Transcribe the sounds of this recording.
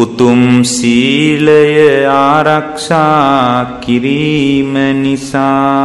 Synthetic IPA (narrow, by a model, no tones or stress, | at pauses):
ut̪umsiːlɐjɐaːɾɐkʂaːkiɾiːmɐnisaː